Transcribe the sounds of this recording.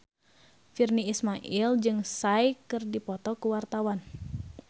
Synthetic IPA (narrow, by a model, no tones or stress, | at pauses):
firniismaʔild͡ʒɨŋsajkɨrdipɔt̪ɔkuwart̪awan